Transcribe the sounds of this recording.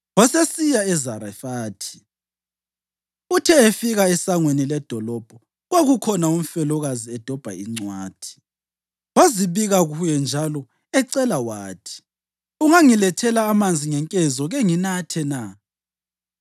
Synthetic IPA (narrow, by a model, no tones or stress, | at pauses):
wɔsesijaɛzaɾafaːtʰi̥ | utʰɛefiɣaɛsaŋwenilɛd̥ʱɔlɔb̥ʱɔ | ɣwaɣukʰɔnaum̩fɛlɔɣaziɛd̥ʱɔb̥ʱa̰iŋ͡ǀwaːd̥ʰʱi̥ | waziβiɣaɣujɛnd͡ʒʱalɔ | ɛǀɛlawaːtʰi̥ | uŋaŋilɛtʰɛlaːmand͡zʱiŋɛŋkʼɛzɔɣɛŋinatʰɛna